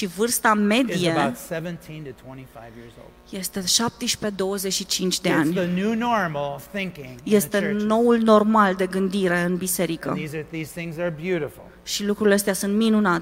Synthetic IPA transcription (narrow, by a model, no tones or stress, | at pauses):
ʃivɨrst̪ame̞d̪ieaʊtsɛvɨ̃ntʰĩntɨtʰw̥ɛ̃ɾ̃ifaɪvjɪ̰ɹzo̰ʊlˠ | je̞st̪e̞ʃap̚t̪əʃpe̞d̪o̞wəze̞t͡ʃʃit͡ʃint͡ʃʲd̪e̞anʲɨnunɔɹml̩ˠθɪ̃ŋkɪ̃ŋje̞st̪e̞no̞ulno̞rmald̪e̞ɡɨnd̪iɾe̞ɨnbise̞ɾikə̰izðiz̥θɪ̃ŋzə˞bjʉɾəfl̩ˠ | ʃilukɾuilees̬t̪ejasunt̪minunat̪